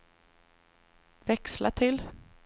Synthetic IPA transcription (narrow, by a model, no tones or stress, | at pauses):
vɛkslat̪ʰɪl